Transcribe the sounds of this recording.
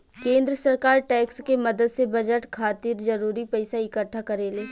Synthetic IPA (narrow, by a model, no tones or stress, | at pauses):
kẽːnd̪ɾəsɐɾkaːɾʈɛːkskemɐd̪əd̪sebɐd͡ʒəʈkʰaːt̪ɪɾd͡ʒɐɾuːɾipɛɪsaɪkəʈʰːakɐɾeːleː